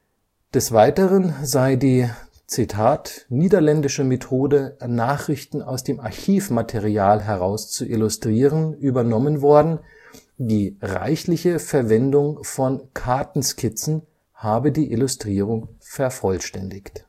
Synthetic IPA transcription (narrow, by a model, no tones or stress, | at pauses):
d̥ɛsv̥aɪtəʁənzaɪdiː | t͡sitʰaːtniːdɐlɛndɪʃəmetʰoːdənaːχʁ̥ɪçtn̩aʊsd̥eːmaɐçiːfmatʰeʁiaːlɦɛʁaʊst͡suʔɪlʊstʁ̥iːʁənʔyːbɐnɔmənvɔɐdn̩ | diːʁa̰ɪçlɪçəfɛɐvɛndʊŋfɔnkʰaɐtn̩skʰɪt͡sn̩ | haːbədiːʔɪlʊstʁ̥iːʁʊŋfɛɐfɔlʃtɛndɪçt